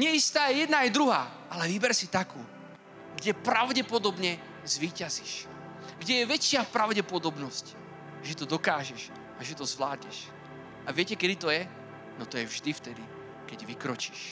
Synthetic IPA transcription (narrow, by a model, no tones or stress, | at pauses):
ɲɪɛist̪aːjɛjɛd̪naɛjd̪ɾuɦaː | ʔalɛʋibɛɾsit̪akuː | ɡɟɛpɾaʊɟɛpɔd̪ɔbɲɛ | zʋiːcaziʃ | ɡɟɛjɛʋɛt͡ʃɪapɾaʊɟɛpɔd̪ɔbnɔsc | ʒɛt̪ɔd̪ɔkaːʒɛʃ | aʒɛt̪ɔzʋlaːd̪ɲɛʃ | aʋɪɛcɛkɛd̪it̪ɔjɛ | nɔt̪ɔjɛvʒd̪ift̪ɛd̪i | kɛɟʋikɾɔt͡ʃi̥ːʃ